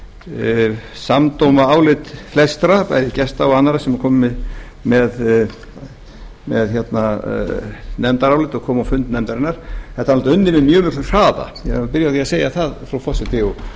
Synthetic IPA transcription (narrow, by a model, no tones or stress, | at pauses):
samt̪owmaaːwlɪt̪flɛst̪ɾapa̰jðɪcɛst̪awanːaɾasɛmɾkʰɔːmmɪð | mɛð | mɛðçɛt̪na | nɛmt̪aɾawlɪt̪ɔɣkʰɔːmawfʏnt̪nɛmt̪aɾɪnːaɾ̥ɛt̪anɔlt̪ʏnːɪmɪmjœːmɪkʰlʏ̥r̥aːða̰jɛ̰hapɪɾjaθiaseːjaθaðfɾawfɔsɪt̪ɪɔ